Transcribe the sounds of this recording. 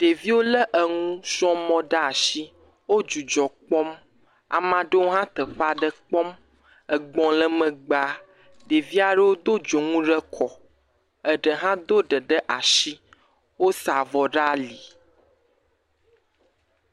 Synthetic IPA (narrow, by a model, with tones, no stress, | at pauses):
ɖ̥e˨vi˦wo˦lə˦ʔə˨ŋũ˦sɔ̃˦mɔ̃˦ɖa˦a˨ʃi˦ | wo˦d͡ʒu˨d͡ʒɔ˨k͡pɔ˦m | a̰˨mã˨ɖə˦wo˦ɦã˦t̪ə˨ɸa˦ɖə˦k͡pɔ˦m | ə˨ɡ͡bɔ̃˦lə˦mə̃˨ɡ͡ba˦ | ɖe˨vi˦a˨ɖə˦wo˦d̪o˦d͡ʒo˨ŋũ˦ɖə˦kʰɔ˨ | ə˨ɖə˨ɦã˦d̪o˦ɖə˨ɖə˦ʔa˨ʃi˦ | wo˦sa˨vɔ˨ɖa˦li˨